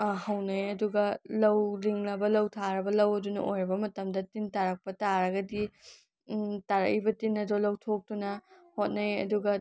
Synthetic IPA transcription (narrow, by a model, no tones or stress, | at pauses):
hɐwnɐjɐduɡɐlɐwliŋlɐbɐlɐwtʰaɾɐbɐlɐwɐdunɐ̰ʔojɾɐbɐmɐtɐmdɐtintaɾɐk̚pɐtaɾɐɡɐdi | taɾɐ̰kibɐtinːɐdolɐwtʰok̚tunɐhot̚nɐjɐ̰duɡɐ